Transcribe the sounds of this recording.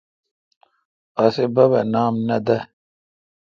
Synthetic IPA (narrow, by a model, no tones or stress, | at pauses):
ɐsebɐbɐnaːmnɐd̪ɐ